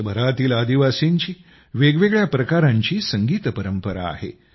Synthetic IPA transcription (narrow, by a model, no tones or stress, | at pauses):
bʱəɾat̪iːlad̪iʋasiɲt͡ɕiː | ʋeɡʋeɡɭjapɾəkaɾãɲt͡ɕiːsəŋɡiːt̪əpəɾəmpəɾa̰ːɦḛ